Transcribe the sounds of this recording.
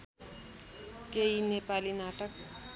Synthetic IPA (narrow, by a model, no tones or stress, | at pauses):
keinepalinaʈək̚